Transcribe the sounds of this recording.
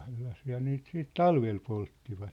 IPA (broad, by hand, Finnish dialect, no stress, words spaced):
selːɑsiːhɑ ne niːt siːt tɑlʋel poltːiʋɑt